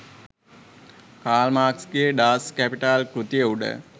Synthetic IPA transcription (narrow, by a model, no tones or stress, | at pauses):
kaːlmaːkskijeɖaːskæpiʈaːlkɾut̪ijeuɖə̰